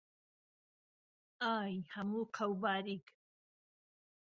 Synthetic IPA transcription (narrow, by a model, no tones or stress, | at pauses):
aːjhɐmuːqʰawbaːɾik